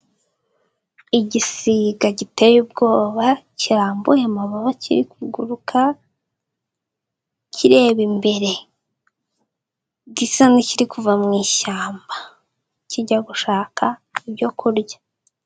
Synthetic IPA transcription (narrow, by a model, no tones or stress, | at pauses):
iɟisiɡaɟitejub̚ɡo̞ːβaciɾaːmbuje̞maβaβacḭɾikiɡuɾukʰa | cʰiɾe̞ːβimbe̞ɾe̞ | ɟisaniciɾikuvamŋiːʃaːmba | ciɟaɡuʃaːkʰaibɟo̞kʰuɾɟḁ